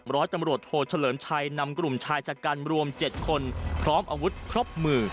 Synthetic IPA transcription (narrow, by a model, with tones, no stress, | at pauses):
ɾɔː˦˥jt̪a˧mɾu˨˩ət̪̚hoː˨˩t͡ɕʰa˧lɤː˩˦mt͡ɕʰa˧jna˧mkɾu˨˩mt͡ɕʰaː˧jt͡ɕa˨˧˩kaː˧nɾu˧əmt͡ɕe˨˩t̪̚kʰo˧npʰɾɔː˦˥mʔaː˧wu˦˥t̪̚kʰɾo˦˥p̚mɯː˧